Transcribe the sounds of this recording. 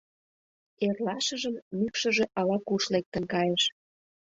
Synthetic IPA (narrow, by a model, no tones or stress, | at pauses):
erlɑʃə̆ʒəmmykʃə̆ʒĕʔɑlɑkuʃlek̚t̪ə̆nkɑjeʃ